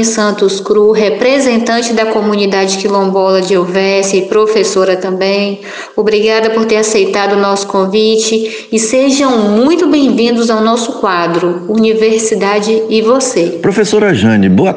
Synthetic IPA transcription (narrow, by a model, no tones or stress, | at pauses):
sɐ̃nt̪ʊskɾuɦepɾezẽnt̪ɐ̃t͡ʃɪzd̪ɐkomũnid̪ad͡ʒɪkilõbɔlɐd͡ʒɪowvɛsɪɪpɾofesoɾɐt̪ɐ̃bẽj̃ | obɾiɡad̪ɐpoɾt̪eɾasejt̪ad̪ʊnɔsʊ̥kõvit͡ʃɪ | ɪseʒɐ̃w̃mũj̃t̪ʊbẽj̃vĩnd̪ʊzawnɔsʊkwad̪ɾʊuniveɾsid̪ad͡ʒɪɪvosepɾofesoɾɐʒɐ̃nɪboa